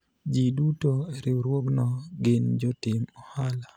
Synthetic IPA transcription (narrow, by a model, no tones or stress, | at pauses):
d͡ʒidutoeɾɪwɾwoknɔɡɪnd͡ʒɔtɪmɔhala